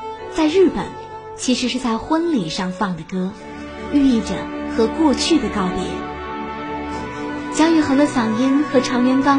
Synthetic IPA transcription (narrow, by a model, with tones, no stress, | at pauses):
t͡sa˥˧ɪɻɻ̩˥˩pə̰˨˩˦n | t͡ɕʰi˧˥ʂɻ̩˧˥ʂɻ̩˥˧t͡sa˥˩ɪxwə˥nli˨˩ʂɑ˥˧ŋfɑ˥˩ŋd̪ə˩kɤ˥ | y˥˧i˥˩ʈ͡ʂə˩xɤ˧˥kwɔ˥˧t͡ɕʰy˥˩d̪ə˩kɑ˥˩ʊt̪ḭ˨˧˥ | t͡ɕjɑ˥ŋy˧˩xɤ˧˥ŋd̪ə˧sɑ˨˩ŋi˥nxɤ˧˥ʈ͡ʂʰɑ˧˥ŋjɥɛ˧˥nkɑ˥